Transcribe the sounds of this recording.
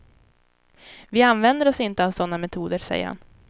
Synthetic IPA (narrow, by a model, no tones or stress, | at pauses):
vɪanvɛnd̪əɾɔsɪnt̪əavsɔnːamɛt̪ʰuːd̪əɾsɛ̰jːə̰ha̰n